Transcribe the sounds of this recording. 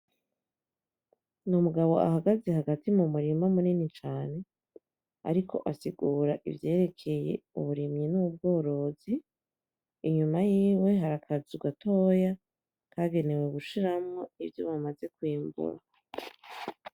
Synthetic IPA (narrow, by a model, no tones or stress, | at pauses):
numuɡaβo̞̰ʔa̰haɡaze̞haɡatimumuɾimamuninit͡ʃaːne̞ | a̰ɾikʰo̞̰ʔasiɡuːɾaʔḭvje̞ːɾe̞kʰe̞je̞̰uβuɾimɲinub̚ɡo̞ːɾo̞ziː | ɲumajiːwe̞ɦaɾakʰazuɡatʰoja | kʰaɡe̞ne̞weβuʃiɾamŋo̞ivjoβamaze̞kwiːmbṵɾa̰